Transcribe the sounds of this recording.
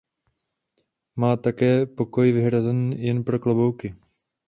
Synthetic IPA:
maːt̪akɛːpo̞ko̞jvɪɦɾazɛnjɛnpɾoklobowkɪ

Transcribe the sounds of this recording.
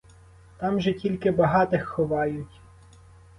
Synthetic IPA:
t̪ɑmʒɛtʲilʲkɪbɐɦɑt̪ɪxːɔʋɑjʊtʲ

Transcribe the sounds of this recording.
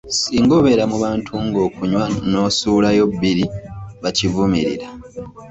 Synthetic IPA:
siːŋɡoβe̞ɾamuβaːntʰuŋɡo̞ːkuɲwano̞ːsuːlajo̞bːiɾiβacivumiɾḭɾa

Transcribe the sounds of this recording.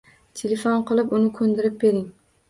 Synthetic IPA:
t̪ʰelefonqɨlˠɪpʊnɪkʰɵnd̪ɪɾɪp̚be̞ɾɪŋ

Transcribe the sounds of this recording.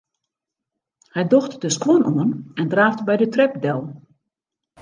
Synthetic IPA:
hɛjdɔxtdəskwonʔoənɛndraːftbɛjdətrɛpdɛlˠ

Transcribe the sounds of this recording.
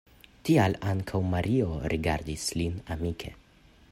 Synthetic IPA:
tialaŋkʰawmaɾio̞ɾiɡa̰ɾdislinamikʰe̞̰

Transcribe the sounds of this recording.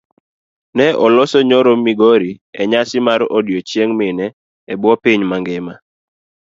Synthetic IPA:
nɛʔɔlɔsɔɲɔɾomiɡoɾiɛɲasɪmaɾodjot͡ʃjeŋmɪnɛː | bwɔpiɲmaŋɡɪma

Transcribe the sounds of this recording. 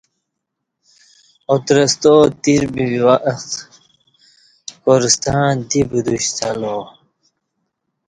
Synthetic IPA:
ot̪ɾɐst̪ot̪iɾbiwiwaʔɐx | koɾst̪ãːd̪ibud̪uɕt̪ʰalo

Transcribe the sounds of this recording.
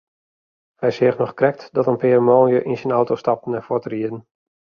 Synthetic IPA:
hɛjsɪxnɔχkrɛk̚tdɔtənpeːrəmoːnjəʔinsənɔwtostɑp̚tn̩ɛnfɔtriədən̩

